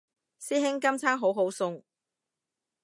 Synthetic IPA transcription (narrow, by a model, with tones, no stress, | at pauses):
siː˥ɦɪ˥ŋkɐ˥mt͡sʰaː˥ŋɦo˨˥wɦo˨˥wsʊ˧ŋ